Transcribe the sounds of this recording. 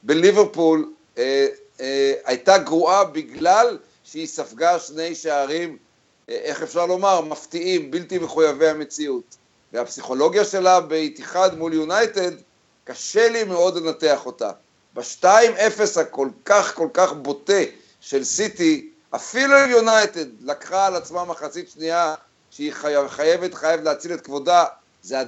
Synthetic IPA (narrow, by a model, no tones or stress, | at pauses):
be̞liveʁpul | ajt̪aɡʁuabiɡlal | ʃeisafɡaʃne̞jʃeaʁim | ʔe̞χefʃaʁlo̞maʁmaft̪iimbiltimeχujavehame̞t͡siut | veapsiχo̞lo̞ɡjaʃe̞labeit̪iχad̪muljunajt̪e̞d̪ | kaʃe̞limeo̞dlenate̞aχo̞ta̰ | baʃtaime̞fe̞shako̞lkaχko̞lkaχbo̞te̞ | ʃe̞lsiti | ʔafiluiljunajt̪e̞dlakχaːlat͡smamaχat͡sitʃnia | ʃeiχaχaje̞ve̞tχajevetleat͡silet̪kvo̞da | zea